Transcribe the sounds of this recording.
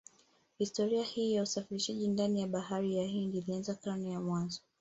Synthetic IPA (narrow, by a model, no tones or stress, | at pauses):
histɔɾiahiːjausafiɾiʃaʄindanijaɓahaɾijahindiːlianzakanijamwanzɔ